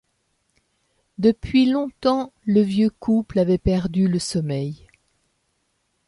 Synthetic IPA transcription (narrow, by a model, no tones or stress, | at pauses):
d̪əpɥilɔ̃t̪ɑ̃ləvjøkuplavɛpɛʁd̪yləsɔmɛj